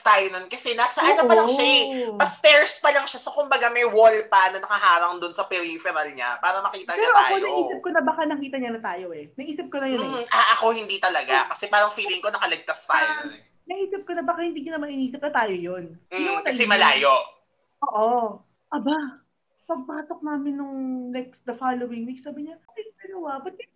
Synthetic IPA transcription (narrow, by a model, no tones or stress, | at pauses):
st̪aːjononkɐsɛnaːsɐʔanopɐlɐŋʃajpɐst̪ɛɹspɐlɐŋʃasokʊmbɐɡamɐjwolpɐnɐnɐkɐhaːɾɐŋd̪ʊnsɐpɛɾifɛɾɐlɲa̰paːɾɐmɐkiːt̪ɐɛɐɾoʔɐaːonɐɡiːsɐp̚konɐbɐkanɐkiːt̪ɐɲɐnɐt̪aːjo̞ʔɛnɐɡʔiːsɐp̚konɐjoʔaʔɐko̞hɪnd̪it̪ɐlɐɡakɐsɛpaːɾɐŋfiːlɪŋko̞nɐkɐlɪɡ̚t̪ast̪a̰jnɛ | nɐʔiːsɪp̚konɐbakahɪnd̪iːkɐnɐmɐʔɪniːsɪp̚nɐt̪aːjojoniokɐt̪ɐsɛmɐlaːjoʔ | ʔoːʔo | ʔɐba | pɐɡ̚paːsok̚naːmɪnːoŋnɛk̚sd̪ɐfaːlowɪŋwik̚saːbɪɲɐɐjɐnʊwɐbɐt̪ɛ